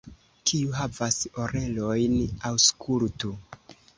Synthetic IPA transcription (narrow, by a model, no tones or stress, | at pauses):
kʰiuɦavaso̞ɾe̞lo̞jnawskʰultu